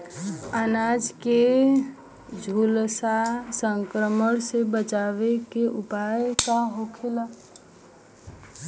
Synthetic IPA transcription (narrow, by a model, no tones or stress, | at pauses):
ənad͡ʒke | d͡ʒʱulsasəŋkɾəməɽsebət͡ʃabekeʔupajkaɦokʰela